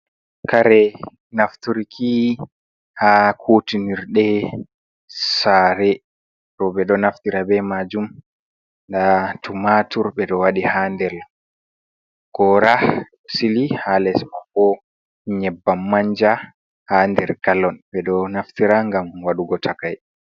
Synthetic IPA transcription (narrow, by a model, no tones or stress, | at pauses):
kaɾɛ | naftuɾikʰi | hakʰutiniɾɗɛ | saːɾɛ | ɾɔɓɛɗɔnaftiɾabɛmad͡ʒum | ndatumatuɾɓɛɗɔwaɗihaːndɛl | ɡ̥ɔɾa | silihalɛsmafɔ | ɲɛbːamːaɲd͡ʒa | haːndɛ̰ɾkalɔnɓɛɗɔnaftiɾaŋɡamwaɗuɡɔtʰakaj